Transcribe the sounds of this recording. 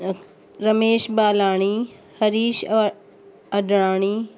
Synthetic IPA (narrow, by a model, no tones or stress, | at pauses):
ɾɐmeːʃbaːlaːɽ̃i | hɐɾiːʃ | ɐdɽ̃aːɽ̃i